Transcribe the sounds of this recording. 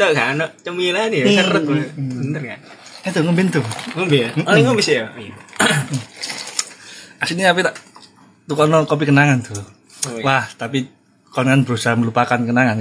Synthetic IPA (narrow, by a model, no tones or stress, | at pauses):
t̪əɡanoʔt͡ʃəmilaniərət̪̚bənərkan | ɛt̪uŋəmbɪnt̪uŋəmbɪŋombisiʔ | asiniapit̪aʔ | t̪ukɔnɔkop̬ikənaŋant̪ʰu | waht̪api | kɔnŋanbəɾusaməlupakankənaŋan